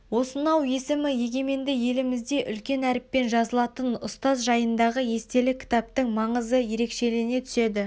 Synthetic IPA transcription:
wo̞sənɑwje̞sɪmɪje̞ɡʲe̞me̞nd̪ɪje̞lɪmɪzd̪e̞ʔʏlkʲe̞næɾɪpːe̞nʒɑzəlˠɑt̪ənʊ̰st̪ɑzʒɑjənd̪ɑʁəje̞st̪e̞lɪkʲʰɪ̥t̪ɑp̚t̪əɴmɑɴəzəje̞ɾe̞kʃe̞lɪɡɪne̞t̪ʰʏ̥se̞d̪ɪ

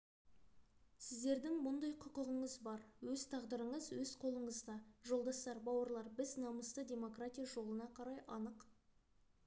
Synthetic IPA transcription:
sɪzd̪e̞ɾd̪ɪŋmʊnd̪ɑjqʰʊqəʁəɴəzbɑɾwɵzt̪ʰɑʁd̪əɾəɴəzwɵzqʰo̞lˠəɴəzd̪ɑʒo̞lˠd̪ɑst̪ɑɾbɑwəɾlˠɑɾbɪznɑməst̪ədʲe̞mo̞kratʲijaʒo̞lˠənɑqʰɑɾɑjʔɑnəq

